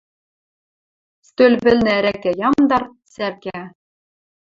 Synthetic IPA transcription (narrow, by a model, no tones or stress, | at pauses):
st̪ølʲβɘ̆lʲnɘ̆æɾækæjɑmd̪ɑr | særkæ